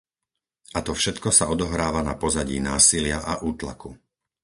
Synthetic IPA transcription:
ʔat̪ɔfʃɛt̪kɔsaɔd̪ɔɦɾaːʋanapɔzaɟḭːnaːsilɪaʔaʔuːt̪la̰ku

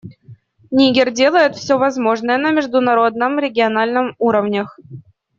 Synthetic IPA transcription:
nʲiɡʲerʲdʲelˠəjɪt̪fsʲovazmoʐnəjənɐmʲɪʐd̪unaɾod̪̚nə̆mrʲeɡʲionalʲnə̆muɾəvnʲex

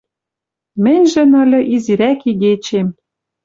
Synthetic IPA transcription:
mɘ̆nʲʒɘ̆nɤ̆lʲɘ̆ʔiziɾækiɣet͡ɕem

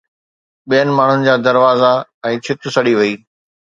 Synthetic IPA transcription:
ɓijənɪ̆maːɳ̤ʊnɪ̆d͡ʑaːd̪ɐɾʋaːzaɛ̃ːt͡ɕʰɪt̪ʊ̆sɐɽiʋɐiː

